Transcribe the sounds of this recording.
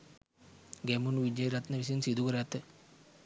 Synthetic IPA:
ɡemunuʋid͡ʒɐjɾɐt̪nɐʋis̬ɐjunsid̪ʱukɐɾaːt̪ːɨ

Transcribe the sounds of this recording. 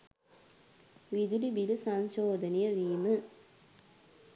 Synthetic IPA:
ʋid̪ulibilusɐnʃoːd̪ʱɐnijəʋiːmə

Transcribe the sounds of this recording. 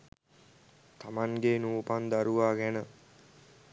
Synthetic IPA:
t̪amaŋɡenuːpand̪aɾuʋaːɡænə

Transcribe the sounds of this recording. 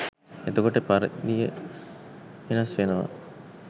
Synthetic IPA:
et̪okoʈəpaɾəɡ̪ijə | ʋenasfenəʋa̰

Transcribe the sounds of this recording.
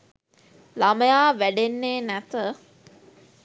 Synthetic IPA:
laməjaːʋæɖenːeːnæt̪ə

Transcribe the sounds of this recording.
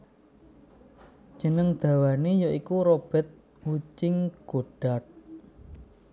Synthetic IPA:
d͡ʒ̥ənəŋd̪̥a̤wanejoikuɾob̥ɛ̤t̪̚ | wut͡ʃɪŋɡ̥oɖ̥a̤t̪̚

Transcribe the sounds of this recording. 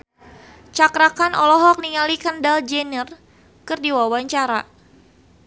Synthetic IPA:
t͡ʃakɾakanʔɔlɔɦɔk̚niŋalikandald͡ʒɛnər | kɨrdiwawaɲt͡ʃaɾa̰

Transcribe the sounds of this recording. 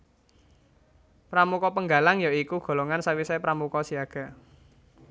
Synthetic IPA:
pɾamukɔpəŋɡalaŋjaikuɡ̥o̤loŋansawisaipɾamukɔsiaɡ̥a̤

